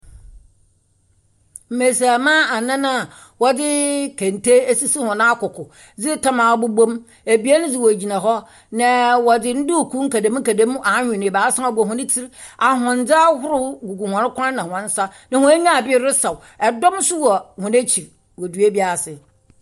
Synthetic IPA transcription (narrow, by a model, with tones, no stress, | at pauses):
m̩˨me˨sa˨mã˦a˨nã˦nã˦˨ | wɔ˦dɪ˦kʰɛ̃˨ntʰe˦e˦si˦si˦hɔ̃˨nã˦a˦kʊ˨kʰʊ˨ | d͡zɪ˦tʰa˦mã˨˦bʊ˦bõ˦m | e˨bi˨˦ɛ˦nʊ̃˦d͡zɪ˦wo˨d͡ʑi˨nã˨ɦɔ˦ | nã˨wɔ˨dɪ˦n̩˦du˦˨kʰu˦ŋ̩˦kæ˨dẽ˦m˦ŋ̩˦ka˨dẽ˦m˦ʔa˨˦ɲᶣʊ̃˨nɪ̃˨baː˨˦sa˦a˦bɔ˨ɦʊ̃˦nɪ̃˦tʰɪ˦ɾ | a˨ɦʊ̃˨n˦d͡za˦hʊ˦ɾʊ˦ɡu˨ɡu˨hã˨ɾɪ˦kʷʰã˦n˦nã˨hɔ̃˨n̩˦sa˦nã˨hʊ̃˦e˦ɲã˦a˨bɪ˦ɾʊ˦sa˨w | ɛ˨dɔ̃˦msʊ˦wɔ˨hʊ̃˨ne˦t͡ɕʰi˨ɾ | wɔ˨du˨e˦bi˦a˨sɪ˨